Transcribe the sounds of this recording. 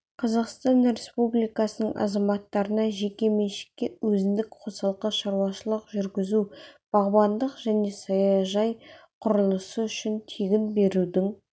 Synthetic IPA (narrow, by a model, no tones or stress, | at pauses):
qʰɑzɑqst̪ɑnɾe̞spublijkɑsənəɴʔɑ̰zɑmɑt̪ːɑɾənɑʒe̞kʲe̞me̞ʃɪ̥kʲːe̞wɵzɪnd̪ɪkqʰo̞sɑlˠqəʃɑɾuwɑʃəlˠəqʒʏɾɡʲɪzub̥ɑʁbɑnd̪əqʒ̥æne̞sɑjɑʒɑjqʰʊɾəlˠəsəʏʃɪnt̪ʰeɡʲɪnbe̞ɾud̪ɪŋ